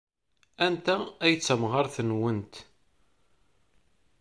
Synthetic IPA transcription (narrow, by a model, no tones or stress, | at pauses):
ænt̪ææjət͡sːəmʁɑɾθənwənt̪